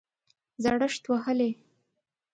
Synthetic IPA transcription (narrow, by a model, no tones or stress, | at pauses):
zaɽəʂt̪wahəle